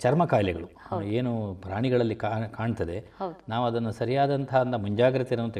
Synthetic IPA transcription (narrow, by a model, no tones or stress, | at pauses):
t͡ʃɐɾmɐkaːjlɛɡɐɭueːnupɾaːɳiɡɐɭɐlːikakaːɳt̪ɐd̪e̞wd̪naːʋuɐd̪ɐnːusɐɾijaːd̪ɐnt̪ɐɦɐɐnd̪ɐmuɲd͡ʒaːɡɾɐt̪iɾɐʋɐnt̪ɐ